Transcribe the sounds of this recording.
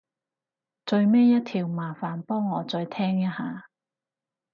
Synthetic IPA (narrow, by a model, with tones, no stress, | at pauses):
t͡sɵ˧ɥmeː˥jɐ˥t̚t̪ʰiː˨˩wmaː˨˩faː˨npɔː˥ŋːɔː˨˧t͡sɵ˧ɥt̪ʰɛː˥ŋjɐ˥t̚haː˨˧